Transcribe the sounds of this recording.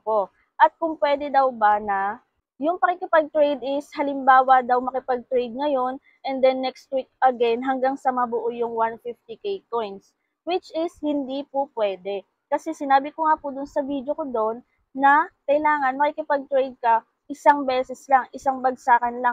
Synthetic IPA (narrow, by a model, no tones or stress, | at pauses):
po | ʔɐt̪̚kʊŋpwɛd̪ɛd̪ɐwbanɐ | jʊŋpɐkikɪpɐɡ̚t̪ɾɛjd̪ɪshɐlɪmbaːwɐd̪ɐwmɐkɪpɐɡ̚t̪ɾɛjd̪̚ŋɐjo̞n | ʔɛnd̪ɛnːɛkst̪̚wik̚ʔɐɡɛnɦɐŋɡaŋsɐmɐbʊʔojʊŋwanfift̪ikejkojns | wɪt͡ʃʔɪshɪnd̪ipʊpwɛːd̪ɛ | kɐsɛsɪnaːbɪkoŋapʊd̪ʊnsɐvid̪jo̞kod̪o̞nː | ɐkɐɪlaːŋɐnmɐkɪkɪpɐɡ̚t̪ɾɛjd̪̚kɐ | ʔɪsaŋbɛːsɛslaŋʔɪsaŋbɐɡsaːkɐnlaŋ